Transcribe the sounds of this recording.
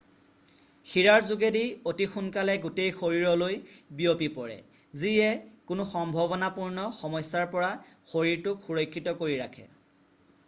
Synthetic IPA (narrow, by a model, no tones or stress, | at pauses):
xiɹaɹzʊɡediotixunkalɛɡutejxoɹiɹɔlojbijopipɔɹɛ̰ | ziɛkʊnʊxɔmbʱɔbɔnapuɹnɔxɔmɔjsːaɹpɔɹaxoɹiɹtʊxuɹojkʰːitɔkoɹiɹakʰɛ̰